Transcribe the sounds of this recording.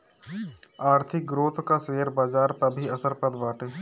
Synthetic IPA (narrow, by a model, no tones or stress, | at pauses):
aːɾt̪ʰɪk̚ɡɾoːt̪ʰkaseːəɾbaːd͡ʒaːɾpɐbʱiɐsəɾpɾəd̪ʋaːʈeː